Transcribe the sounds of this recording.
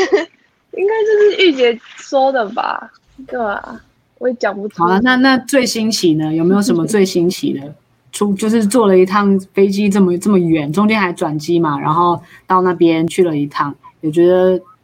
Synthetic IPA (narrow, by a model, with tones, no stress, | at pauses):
i˥ŋka˥ɪt͡ɕjo˥˧ʊʂɻ̩˥˧ʔy˥˩t͡ɕjɛ˧˥swɔ˥d̪ə˨˩ba̰˨˩ | t̪e˥˩a̰˨˩ | we˧˥˩t͡ɕjɑ˨˩ŋpu˧˥˩t͡sʰlə˦na˥˧na˥˧t͡swe˥˩ɪɕi˥nt͡ɕʰi˨˩nə˦jme˧˥jo˨˩ʊʂ̬ə˧˦mə˧t͡swe˥˩ɪɕi˥nt͡ɕʰḭ˨˩d̪ə˦ | ʈ͡ʂʰu˥t͡ɕjo˥˧ʊʂɻ̩˥˧t͡swɔ˥˩lə˩i˧˥t̪ʰɑ˥˩ŋfe˥ɪt͡ɕi˥ʈ͡ʂɤ˥˩mə˩ʈ͡ʂə˥˩mə˩ɥɛ˨˦nʈ͡ʂʊ˥ŋt͡ɕjɛ˥nxa˧˥ɪʈ͡ʂwa˨˩nt͡ɕi˥ma˨ɻa̰˧˥nxo˥˧ʊ | t̪ɑ˥˧ʊna˥˩pjɛ˥˦nt͡ɕʰy˥˩lə˩i˧˥t̪ʰɑ˥˩ŋjɔ˨˩t͡ɕɥɛ˧˥d̪ə˧